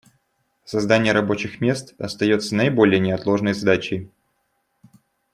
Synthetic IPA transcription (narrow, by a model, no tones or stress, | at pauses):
sɐzd̪anʲɪjəɾɐbo̞t͡ɕɪxmʲe̞st̪ɐ̰st̪ɐjo̞t̪sənəɪbo̞lʲɪjənʲɪɐt̪lˠo̞ʐnəjzd̪at͡ɕɪj